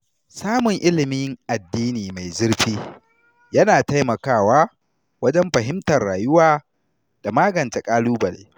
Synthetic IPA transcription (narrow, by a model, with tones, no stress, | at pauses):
saː˦mʊ˨ŋʔɪ˦lɪ˨mɪ˦ŋʔa˨dːiː˦niː˨ma˨jzʊ˦ɽɸiː˦ | jɐ˦naː˨ta˦jmɐ˨kaː˦˨waː˦ | wɐ˦d͡ʒɛ˦mɸɐ˨ɦɪ˦mtɐ˨rːaː˨jʊ˦waː˦˨ | d̥a˨maː˦ɡɐ˨nt͡ʃe˨kʼaː˦luː˦bɐ˨lḛː˦